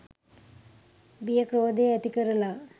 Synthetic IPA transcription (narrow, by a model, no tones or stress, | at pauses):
bijɐkɾoːd̪eɐt̪ikɐɾɐla